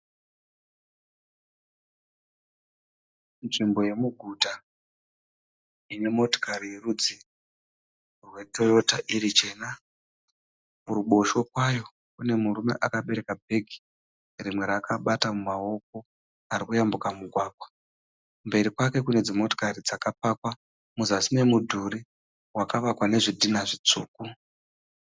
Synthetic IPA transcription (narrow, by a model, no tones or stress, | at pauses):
nʐimbo̞je̞muɡʱuta | ine̞mo̞to̥kaɾijerud͡zi | rwe̞do̞jo̞taʔiɾit͡ʃe̞ːna | muɾuɓo̞ʃo̞kwajo̞ | kune̞murume̞̰ʔakaɓe̞ɾe̞kabʱe̞ɡʱi̥ | rimwe̞ɾakʰaɓatamumao̞k̚o̞ | aɾikujambukamuɡʱwaːɡʱwa | mbe̞ɾikwake̞kune̞d͡zimo̞to̥karid͡zakapakwa | muzasine̞mudʱuɾi | wakaʋakwane̞ʐidʱinaʐit͡suːku